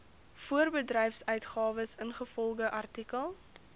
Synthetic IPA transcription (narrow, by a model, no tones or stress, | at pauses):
fuərbədrɛjfsœɥtχɑːvəsənχəfɔlˠɡəʔɐrtikəlˠ